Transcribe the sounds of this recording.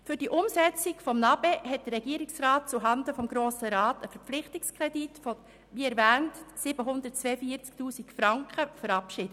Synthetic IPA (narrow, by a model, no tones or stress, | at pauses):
fʏɾd̥iʔʊmsɛt͡sɪkfɔmnɑbɛɦɛt̚d̥əɾɛɡiːəɾɪksraːt̚t͡suɦɑndəfɔmɡɾoːsəɾɑːtəfəɾp͡flɪχtɪkskʁɛditfɔ | ʋiːɛɾvæːntsɪb̥əɦʊndəɾt̚t͡sveəfiːəɾt͡sktuːsikfɾɑŋkχəfəɾɑpʃɪd̥ə